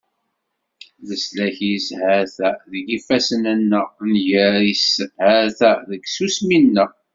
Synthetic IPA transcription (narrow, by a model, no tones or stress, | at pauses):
ləslæçishæɾθæðəɡifæsənənːəʁnʝəɾishæɾθæðəɡsusminːəʁ